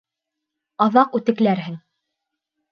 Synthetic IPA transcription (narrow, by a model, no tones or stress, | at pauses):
ɑðɑqʉt̪ɘ̆klæɾɦɘŋ